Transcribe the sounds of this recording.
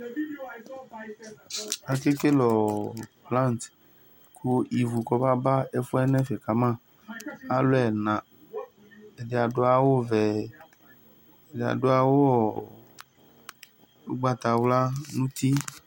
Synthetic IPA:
a˨ke˦ke˦lɔ˨plã˦˨nt̪ | kʰu˦i˨vu˨kɔ˦ba˦ba˦e˦fɔ˦ɛ˦nɛ̃˦fɛ˨ka˨mã˦˨ | a˦lo˦ɛ˨nã˨ | e˨de˨a˨ɖo˦a˨wo˦vɛ˨ | e˨de˨a̰˨ɖo˦a˦wo˦ɔ˨ | u˦ɡ͡ba˦t̪a˨wla˦nũ˦t̪i˦

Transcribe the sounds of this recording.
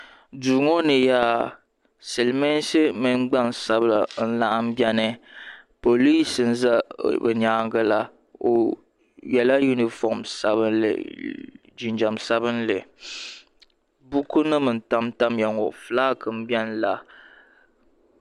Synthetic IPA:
duː˨ŋo˦nɨ˨ja˨ | sɛ˨lme˦nsɨ˦mɨ˦n˦ɡ͡ba˦nsa˦bla̰˨n̩˦la˦ʔa˦m˦bjɛ˦nɨ˦ | po˨li˦sɨ˨n̩˦za˦bɨ˨ɲaː˨˦ŋɡɨ˦la˦ | o̰˨ | jɛ˨la˦ju˦ni˨fɔ˨msa˦βɨ˦nlɨ̰˨ | d͡ʒi˨nd͡ʒa˨msa˦bɨ˦nlɨ˨ | bu˦ku˦nɨ˦mɨ˨n̩˨ta˦mta˦mja˨ŋo˨ʔflaː˦kɨ˨m̩˦bjɛ˦nla˨

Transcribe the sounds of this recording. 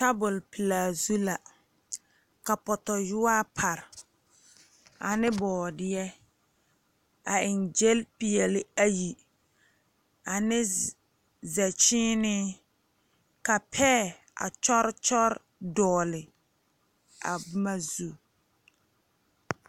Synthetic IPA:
ta˦bʊ˨lpi˨laː˨zu˦la˨ | ka˨pɔ˨tɔ˨jʊ˦aː˦pʰa˨ɾ | a˨nɪ˦bɔː˨dɪ˦jɛ˦ | a˨ɪ˨nd͡ʒɛ˦lpi˨ɛ˨lɪ˨a˦ji˨ | a˨nɪ˦ | zɛ˨t͡ʃiɪː˦nɪ˦ | ka˨pʰɛː˦˨ | a̰˨t͡ʃɔ˦ɾt͡ʃɔ˦ɾ | dɔː˨lɪ˨ | a̰˨bma˦zu˨

